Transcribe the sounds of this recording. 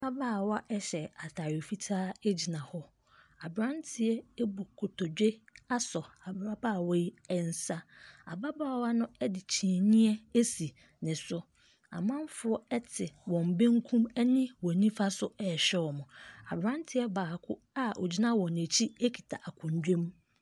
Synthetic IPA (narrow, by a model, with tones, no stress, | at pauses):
ba˦baː˦˨wa˦ʔɛ˦ɕɛ˨a˨tʰa˨jo˨fi˦tʰaː˦e˦d͡ʑi˨nã˨hɔ˦ | a˨bɾã˦ntʰɪ˨˦ɛ˦e˦bu˨kʰo˨tʰo˨d͡ʑᶣe˦a˦sɔ˨a˨bɾa˦baː˦˨wɔ˦ji˦ɛ˨n̩˨sa˦a̰˨ba˦baː˦˨wa˦nʊ̃˦ɛ˦dɪ˨t͡ɕʰĩ˨nĩ˦ɛ˦e˦si˨ | nɪ̃˨sʊ˦ | a̰˨mã˦m˦fʊ˦ɔ˦ɛ˦tʰɪ˨wɔ̃˨m̩˨bẽ˦ŋ˦kʰũ˦mɛ˦nɪ̃˦wɔ̃˨nĩ˦fa˦sʊ˦ɛ˨ɕᶣɛ˦wɔ˨mʊ̃˨a̰˨bɾã˦n˦tʰɪ˦ɛ˦baː˨kʰʊ˦ | a˦o̰˨d͡ʑi˦nã˦wɔ̃˨ne˨t͡ɕʰi˦e˦kʰi̥˨tʰa˨ʔa˨kʰʊ̃˨n˨˦dᶣẽ˦m